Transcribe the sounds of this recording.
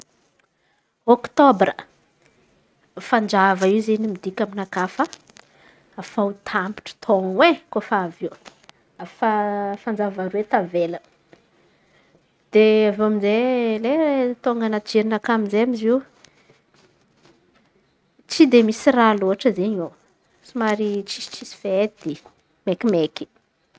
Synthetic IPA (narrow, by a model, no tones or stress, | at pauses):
ɔkt̪obrə | fand͡ʒavaiwzenimid̪ikʲaminakafə | afaut̪ʰampi̥ʈ͡ʂə̥t̪ʰoŋwekofaaviw | afafand͡ʒavaɾuet̪avelə | d̪̥eavamizelet̪oŋɡanad͡ʒeɾinakamizeamiziw | t͡sid̪emisiraloɦaʈ͡ʂəzeɲow | simaɾit͡ʃisi̥t͡ʃisi̥fed̪̥e | mekimeki̥